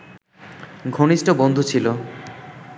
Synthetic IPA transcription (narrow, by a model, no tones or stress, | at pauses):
ɡʱoniʃʈobond̪ʱut͡ɕʰilo